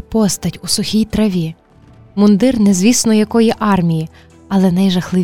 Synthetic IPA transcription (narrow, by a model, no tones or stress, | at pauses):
pɔst̪ɐtʲusʊxʲijt̪ɾɐʋʲi | mʊnd̪ɪrnɛzʋʲisnɔjɐkɔjiʔɑrmʲiji | ɐlˠɛnɐjʒɐxlˠɪ